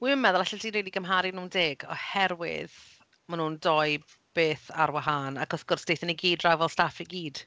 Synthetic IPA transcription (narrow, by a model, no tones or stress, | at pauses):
wiːmənmɛðʊlˠaɬadiːnriːliɡəmɦaɾɨnuːndeːɡɔ̰hɛrwɪ̰ð | manuːndɔɨ | b̥eːθaɾwaɦaːnaɡɔsɡ̥ɔrsd̥ejθəniɡiːdrawvɛlˠstafiɡiːd̥